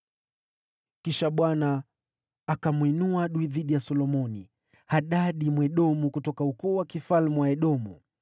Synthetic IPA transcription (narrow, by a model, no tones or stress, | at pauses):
kiʃaɓwanaː | kamwinuaɗuiðiɗijasɔlɔmɔni | haɗaɗimwɛɗɔmukutɔkaukuːwakifalmuwaɛɗɔmu